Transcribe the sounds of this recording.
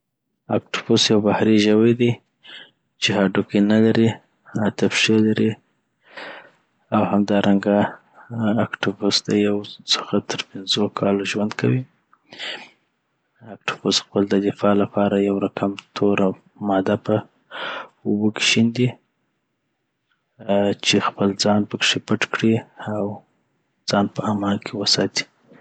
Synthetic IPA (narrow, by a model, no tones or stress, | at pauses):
akʈʊ̥fusjawbahɾiʒəwajd̪i | t͡ʃɪɦɑɖukenalaɾi | at̪afʃelaɾi | awhamd̪ɑɾʔaŋɡaː | kʈufusd̪ajawsʊ̥xat̪ʰəɾpɪnzokʰɑloʒwand̪kʰawi | ak̚ʈu̥fosxpəld̪əd̪ɪfɑlapɑɾajawɾakʰamt̪ʰoɾ | mɑd̪apə | ʊboke̥ʃind̪i | t͡ʃexpəld͡zɑnpəkʂepəʈkɽiaw | d͡zɑnpəamɑlkʰewəsɑt̪i̥